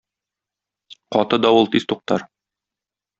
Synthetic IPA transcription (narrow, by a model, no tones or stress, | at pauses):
qɒt̪ɤd̪ɒwɤlˠt̪ist̪uq̚t̪ɑɾ